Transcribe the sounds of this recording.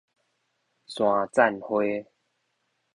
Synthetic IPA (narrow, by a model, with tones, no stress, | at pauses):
sw̃ã˨t͡sa˥˨nhwe˦